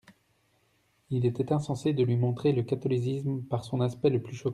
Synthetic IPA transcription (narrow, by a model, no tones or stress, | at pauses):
ilɛt̪ɛt̪ɛ̃sɑ̃sed̪əlɥimɔ̃t̪χeləkat̪ɔlis̬ismpaʁsɔ̃naspɛləplyʃɔkɑ̃